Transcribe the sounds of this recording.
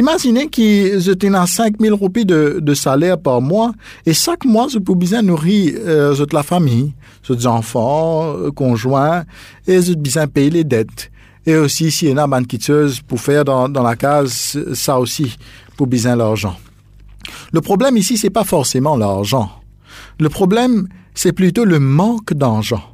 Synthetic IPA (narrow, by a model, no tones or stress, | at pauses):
imaʒinekizøt̪ɛ̃nɑ̃sɛ̃kmilʁupid̪əd̪əsalɛʁpaʁmwa | eʃakmwazop̬ubizɛ̃nuʁizot̪lafamij | zot̪zɑ̃fɑ̃kɔ̃ʒwɛ̃ | ezot̪̚bizɛ̃pejled̪ɛt̪ | eosisienabãnkʲit̪øzpuʁfɛʁd̪ɑ̃d̪ɑ̃lakazsaosipubizɛ̃laʁʒɑ̃ | ləpχɔblɛmisisɛpafɔʁsemɑ̃laʁʒɑ̃ | ləpχɔblɛm | sɛplyt̪oləmɑ̃kd̪ɑ̃ʁʒɑ̃